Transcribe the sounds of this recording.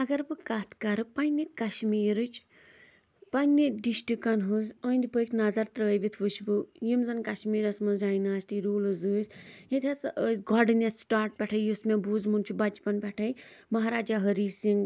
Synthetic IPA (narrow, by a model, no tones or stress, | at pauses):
ɐɡɐɾbɨkat̪ʰkɐɾɨpɐnit̪kɐʃmiːɾɨt͡ʃʰ | pɐnːiɖiʃʈikɐnɦuzəːnd̪ipɨkʲnɐzɐɾt̪ɾəːjbit̪ʰʋuʃbɨjimzɐnkɐʃmiːɾɐsmɐnzaːjnaːst̪iɾuːlɨzɨːsjit̪ʰɐsəsɡɔɖinesːʈaːɾʈ̚pʲɛʈʰɐjjusmebuːzmunt͡ʃʰubɐt͡ʃpɐnpʲɛʈʰɐjmɐɦaɾaːd͡ʒaːɦəɾiːsiŋɡ